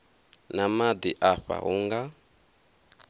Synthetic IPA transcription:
namad̪iʔaɸa̰uŋɡa

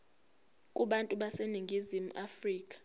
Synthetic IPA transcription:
kʼuɓantʼuɓaseniŋɡʱizimuʔafriːkʼḁ

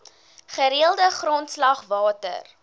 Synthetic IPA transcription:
χəɾiəlˠdəχrɔntslɐχvɑːtə̰r

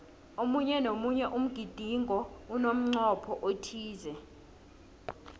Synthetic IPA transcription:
omuɲɛnomuɲɛʔum̩ɡ̥ʱid̥ʱiŋʱɔunom̩ŋ͡ǀɔpʰɔʔotʰiːzɛ

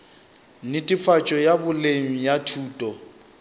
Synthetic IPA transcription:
nɪtʼifat͡ʃʼɔjabʊleŋ̩jatʰuːtʼɔ

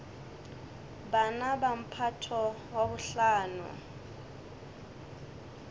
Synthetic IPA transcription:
banabam̩pʰatʰɔ | wabʊɬaːnʊ̰

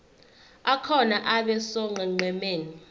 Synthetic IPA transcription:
akʰɔnaʔaɓɛsɔŋ͡ǃʱɛŋ͡ǀʱɛmeːni

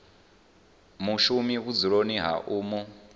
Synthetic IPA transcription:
muʃumiɣud͡ziɺoniɦa̰ʔuːmu

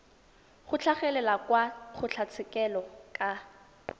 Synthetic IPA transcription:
χʊt͡ɬʰaχɛlɛlakwaχʰʊt͡ɬʰat͡sʰɪkɛlɔkʼa

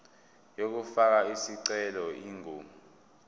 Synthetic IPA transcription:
jok̬ufak̬aisiǀɛlɔiːŋuːmu

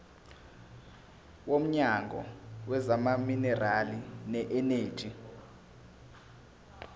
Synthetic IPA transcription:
wom̩ɲaŋɡʱɔ̰wɛzamaminɛralinɛʔɛne̥ːʒʱʼi

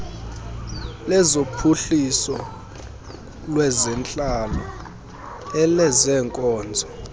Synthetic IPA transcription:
lɛzopʰuɬisɔ | lwɛzɛnt͡ɬʼalɔ | ɛlɛzɛːŋkʼɔːnd͡zʱɔ

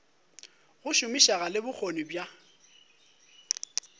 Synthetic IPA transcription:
ɣʊʃʊmiʃaɣalɪbʊk͡xʰonɪbja

